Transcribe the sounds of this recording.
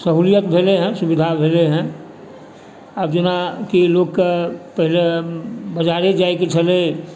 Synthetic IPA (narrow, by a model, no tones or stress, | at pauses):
səɦuːlijət̪̚bʱeːleɦɛ̃sʊbɪd̪ʱabʱeːleɦɛ̃ | əbd͡ʒɪnakiloːɡkapəɦɪlebəd͡ʒaːɾed͡ʒaːeket͡ʃʰəle